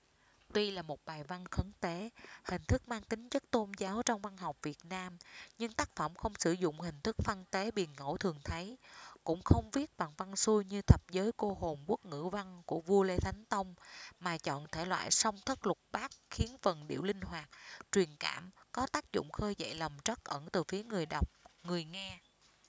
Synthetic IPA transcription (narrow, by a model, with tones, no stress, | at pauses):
t̪wi˧laː˨˩mo˨˩t̚ɓaː˨˩jva˧nxə˨˦ŋt̪e˨˦hï˨˩ŋ̟t̪ʰɨ˦˥k̚maː˧ŋt̪ï˨˦ŋ̟zə˦˥t̚t̪o˧nzaː˨˦wt͡ɕɔ˧wŋ͡mva˧nɦɔ˨˩wk͡p̚vi˨˩ət̚naː˧mɲɨ˧ŋt̪aː˦˥k̚fə˧˩mxə˧wŋ͡msɨ˧˩zʊ̰˧˨ŋ͡mhï˨˩ŋ̟t̪ʰɨ˦˥k̚fa˧nt̪e˨˦ɓi˨˩ənŋo̰˧˩t̪ʰɨ˨˩əŋt̪ʰə˨˦jkʊ̰˧˥ŋ͡mxə˧wŋ͡mvi˦˥ət̚ɓa˨˩ŋva˧nsu˧jɲɨ˧t̪ʰə˨˩p̚zəː˨˦jko˧ho˨˩mku˦˥ək̚ŋɨ̰˧˥va˧ŋku˧˩əvu˧əle˧t̪ʰa˨˦jŋ̟t̪ə˧wŋ͡mmaː˨˩t͡ɕɔ̰˧˨nt̪ʰe˧˩lwa̰ː˧˨jsə˧wŋ͡mt̪ʰə˦˥t̚lʊ˨˩k͡p̚ɓaː˦˥k̚xi˨˦ənfə˨˩nɗḭ˧˩əwlï˧ŋ̟hwaː˨˩t̚t͡ɕwi˨˩ənka̰ː˧˩mkɔ˨˦t̪aː˦˥k̚zʊ̰˧˨ŋ͡mxəː˧jzə̰˧˨jlə˨˩mt͡ɕə˦˥k̚ʔə˧˩nt̪ɨ˨˩fi˨˦əŋɨ˨˩əjɗa˨˩wk͡p̚ŋɨ˨˩əjŋaː˧